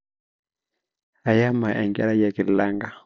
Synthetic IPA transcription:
a˨ja˦ma˨ʔɛ̰˨ŋɡɛ̰˦la˦ja˨ki˨la˦ŋɡa˦

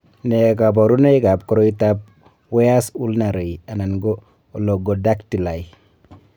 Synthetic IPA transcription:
ne˨ka˨b̬o˨ɾu˦ne˦ka˨p̚kɔ˦ɾo˦i˦ta˦p̚ | we˦ja˦su˦lna˨ɾe˨ja˨na˨nɡoː˦˨ | lo˨ɡo˨da˦kti˨la˨i

